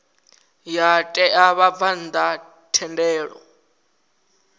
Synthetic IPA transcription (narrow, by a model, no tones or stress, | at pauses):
jatʼɛʔaβavan̩d̪a | tʰɛndɛːɺɔ̰